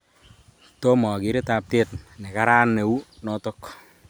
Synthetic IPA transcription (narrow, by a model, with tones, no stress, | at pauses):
to˦mɔ˨kɪ˨˦ɾe˦ta˨p̚te˦tnɛ˨ka˦ɾa˦nːe˨u˦nɔ˦to˦k